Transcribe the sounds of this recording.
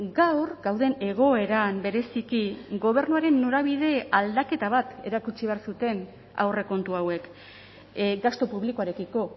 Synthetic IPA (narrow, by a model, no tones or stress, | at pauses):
ɡawrɡawð̞e̞ne̞ɣ̞o̞e̞ɾambe̞ɾe̞sikiɡo̞β̞e̞ɾnuaɾe̞nːo̞ɾaβ̞iðe̞ald̪ake̞t̪aβ̞at̪e̞̰ɾakut͡ʃiβeaɾsut̪e̞n | a̰wre̞ko̞nt̪uawe̞k | ɡast̪o̞puβlikoaɾe̞kiko̞